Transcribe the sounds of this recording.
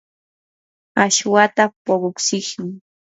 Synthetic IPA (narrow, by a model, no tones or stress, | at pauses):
aʃwat̪apoɢʊksɪχmɪ